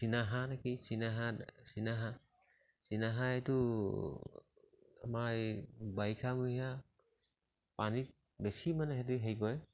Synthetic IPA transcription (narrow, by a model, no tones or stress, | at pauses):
sinaɦanakisinaɦasinaɦa | sinaɦaetu | a̰majbajkʰamua | panit̚ | besimanɛɦetiɦejkɔj